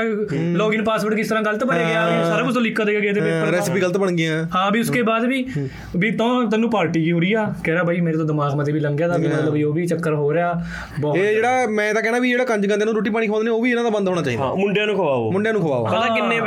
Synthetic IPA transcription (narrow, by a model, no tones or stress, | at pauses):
loːɡɪːnpaːsʋəʈk̬ɪst̪əɾãːɡəlt̪pəneːɡɪãsaːɾaːʊst̪õːlɪkːaːd̪eːɡaːɡeːt̪eːpeɾɛːspiːɡələt̪bəɳɡiãːhãːbiːʊskeːbaːd̪biː | biːt̪õːt̪ɛnːũːpaːɾʈiːkiʊɾiːaːkɛːɾaːbʱaːiːmeːɾeːt̪õːd̪ɪmaːɡmət̪eːbiːləŋɡjãːd̪aːbiːmət̪ləboːbiːt͡ʃəkːəɾɦoːɾeaː | bɔːeːd͡ʒeːɽaːmɛ̃ːt̪aːkɛːɽ̃aːbiːd͡ʒeːɽaːkəɲd͡ʒkãnt̪eːnũːɾoːʈ̬ːiːp̬aːɽ̃iːkʰoːnd̪neːoːʋiːɪnãːd̪aːbə̃nd̪ɦoːɽaːt͡ʃaːiːdã̰ːmʊɳɖjaːnũːkʰəʋaːoːmʊɳɖjaːnũːkʰəʋa̰ːo̰ət̪ãːkɪnːeː